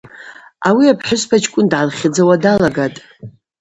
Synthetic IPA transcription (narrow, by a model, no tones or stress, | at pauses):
awiapʰħʊspʰat͡ʃʰʼkʷʼʊndʕanχʲɪd͡zawadalaɡatʼ